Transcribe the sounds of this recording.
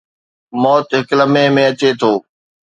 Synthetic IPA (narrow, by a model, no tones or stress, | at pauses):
mɔːt̪ɦɪkləmẽmẽːɐt͡ɕet̪ʰoː